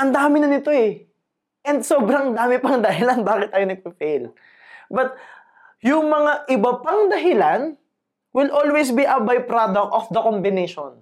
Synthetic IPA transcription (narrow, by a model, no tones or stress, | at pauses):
ʔɐnd̪aːmɪnɐnɪt̪o̞ɛ | ʔɛnd̪soːbɾɐŋd̪aːmɪpɐŋd̪ɐɦɪlanbaːkɪt̪̚ːaːjonɐɡ̚pɪfel | bɐt̪̚ | jʊŋmɐŋaʔɪbɐpɐŋd̪ɐɦɪlan | wɪlʔolwejs̬biʔɐbajpɾad̪ɐk̚t̪ofd̪ɐkombɪneʃon